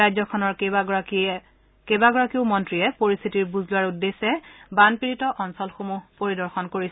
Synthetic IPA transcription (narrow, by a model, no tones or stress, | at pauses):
azɔkʰɔnɔɹ | kebaɡɔɹakiʊmɔntɹiɛpoɹist̪ʰitiɹbuzlʊwaɹudːesɛbanpiɹitɔʔɔnsɔlxomupoɹidɔɹxɔnkoɹis